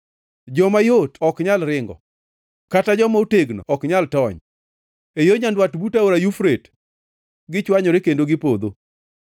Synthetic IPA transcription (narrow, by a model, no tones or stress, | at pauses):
d͡ʒɔmajotɔkɲalɾɪŋɡɔ̰ | katad͡ʒɔmauteɡnɔ̰ʔɔkɲaltɔɲ | ejoɲandwatbutaoɾajufɾet | ɡɪt͡ʃwaɲɔɾekendoɡɪpod̪o